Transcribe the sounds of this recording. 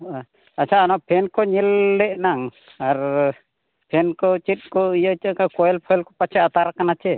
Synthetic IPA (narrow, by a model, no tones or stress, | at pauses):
at͡ʃʰaʔanɔpʰɛnkɔɲilːɛʔnaŋ | aɾ | pʰɛnkɔt͡ʃit̪̚kɔijət͡ʃəʔkakɔɛlpʰɔɛlkɔpat͡ʃʰɛat̪aɾakanat͡ʃɛ